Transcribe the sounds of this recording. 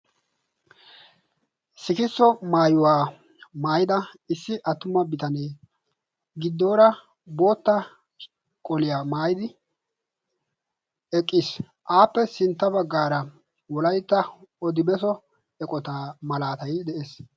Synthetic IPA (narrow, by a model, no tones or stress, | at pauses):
sɪkɪsːɔmaːjʊwaː | maːjɪd̪ɐ | ɪsːɪʔɐt̪ːʊmɐbɪt̪ɐneː | ɡɪd̪ːo̞ːɾɐ | bo̞ːt̪ːɐ | kʼɔlɪjaːmaːjɪd̪ɪ | ɛkʼːiːs | ʔaːpːɛsɪnt̪ːɐbɐɡːaːɾɐ | wɔlɐjt̪ːɐɔd̪ɪbɛsɔ | ɛkʼɔt̪amɐlaːt̪ɐjd̪ɛʔeːs